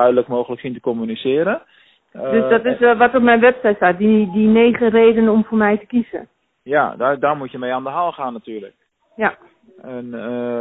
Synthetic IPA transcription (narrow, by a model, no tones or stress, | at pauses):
œɥdələkmowɣələksintəkɔmynisɪːəɾə | døsdɔtɪsʋɔtɔpmɛjnʋɛpsɛjtsat̚didineːχərejdənɔmfʊːrmɛjtə̥kizə̰ | jadadaɹmutjəmejaːndəɦalˠχaːnːatyːrlə̰k | ja | ɛn